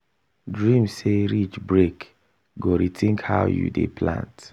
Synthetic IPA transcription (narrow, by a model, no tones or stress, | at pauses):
dɹĩmseɹit͡ʃbɹek | ɡoɾitʰĩŋkha̰ʊjṵdḛpʰlã̰nt